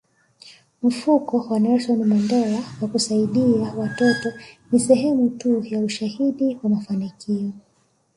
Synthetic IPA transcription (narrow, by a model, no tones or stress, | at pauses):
m̩fukɔwanaɛswanimandɛɾawakusaiɗiawatɔtɔnisɛɦɛmutujauʃahiɗiwamafanikʰiɔ